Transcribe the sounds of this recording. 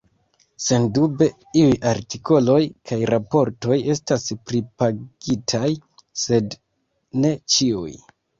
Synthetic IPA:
se̞ndube̞ | iujʔaɾtikʰo̞lo̞jkʰajɾʔapo̞ɾto̞je̞staspɾipaɡ̥itʰaj | se̞d | ne̞t͡ʃiuj

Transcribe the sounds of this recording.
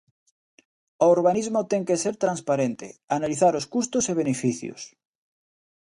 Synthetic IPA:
ooɾβ̞anizmot̪eŋkeseɾt̪ɾanspaɾẽnt̪ḛanaliθaɾoskust̪oseβ̞enefiθjo̰s

